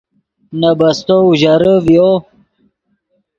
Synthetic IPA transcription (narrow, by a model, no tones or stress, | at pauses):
nabɐst̪ouʑaɾəvjo